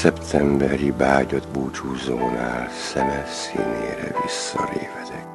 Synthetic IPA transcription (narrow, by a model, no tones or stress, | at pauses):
sɛpt̪ʰɛmbɛɾibaːɟod̪buːt͡ʃuːzoːnaːlsɛnɛsiːneːɾɛvisːɒleːvɛt̪ʰɛk